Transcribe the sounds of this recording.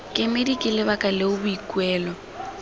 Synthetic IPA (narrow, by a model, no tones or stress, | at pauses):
kʼɪmedikʼɪlɪbakʼalɪʊbʊikʼwɛːlɔ